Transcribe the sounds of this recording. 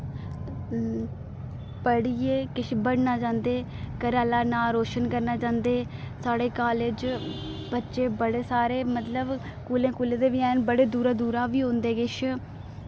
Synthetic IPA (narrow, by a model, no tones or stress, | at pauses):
pəɽieːkɪʃʰbəɽnaːd͡ʒãːnd̪eː | kəɾaːlaːnaːɾoːʃənkəɾnaːd͡ʒãːnd̪eː | saːɽeːkaːled͡ʒ | bətːʃeːbəɽeːsaːɾeːmət̪ləb | kuːlẽːkuːlẽːd̪eːʋiːɛːnbəɽeːd̪uːɾaːd̪uːɾaːʋiːɦõːnd̪eːɡɪʃ